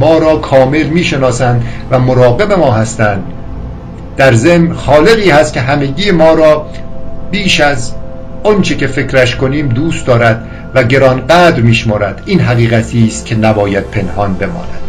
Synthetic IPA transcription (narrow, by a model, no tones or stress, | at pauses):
mɒːɾɒːkʰɒːme̞lmiːʃe̞nɒːsænd̪væmoɾɒːɣe̞be̞mɒːɦæst̪ænd̪ | d̪æɾze̞mnxɒːle̞ɣiːhæst̪kʲcʰe̞ɦæme̞ɟiːemɒːɾɒː | biːʃæz | ɒnt͡ʃʰecʰe̞fe̞kɾæʃkʰo̞niːmd̪uːst̪̚d̪ɒːɾæd̪ | væɟe̞ɾɒːnɢæd̪ɾmiːʃmɒːɾæd̪̥iːnɦæɣiːɣæt̪ʰiːst̪̚cʰe̞næbɒːjæd̪̥̚pʰe̞nhɒnbe̞mɒ̰ːnæd̪̥